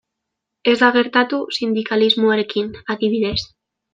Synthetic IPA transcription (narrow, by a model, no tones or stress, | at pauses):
e̞zd̪aɣ̞e̞ɾt̪at̪usind̪ikalizmoaɾe̞kinaðiβ̞iðe̞s